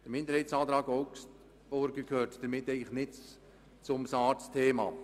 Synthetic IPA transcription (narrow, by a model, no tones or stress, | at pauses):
d̥̪əɾmɪnd̪əɾhɛsɑːt̪ɾɑːɡɔʊs | ɔɾɡəkʰøːtd̥əɾmɪtɛɪɡləxnɪt | t͡sʊmsɑːɾstʰeːmɑ̰ː